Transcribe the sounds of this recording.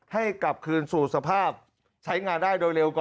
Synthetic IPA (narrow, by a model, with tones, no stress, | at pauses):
ha˥˩jka˨˩p̚kʰɯː˧nsuː˨˩sa˧pʰaː˥˩p̚ | t͡ɕʰa˦˥jŋaː˧ndaː˥˩jdoː˧jɾe˧wkɔː˨